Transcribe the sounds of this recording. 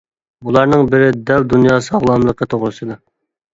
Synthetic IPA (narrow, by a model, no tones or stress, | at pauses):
bulˠɑɾnɨŋbɪɾɪd̪ɛwd̪unjɑːsɑʁlˠɑmlˠəqːɑt̪ʰoʁɾɨsɨd̪ɨ